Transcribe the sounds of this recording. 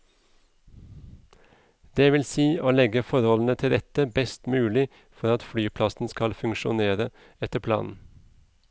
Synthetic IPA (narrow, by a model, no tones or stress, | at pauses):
d̪eːʋɪlsiːoːlɛɡəfɔɾhɔln̩ət̪ʰɪld̪ɛt̪əbɛst̪mʉːlɪ | fɔɾɑt̪fɽyːpʰlɑsn̩skɑlfʉŋʃʊneːɾə | ɛt̪əpʰlɑ̰ːnn̩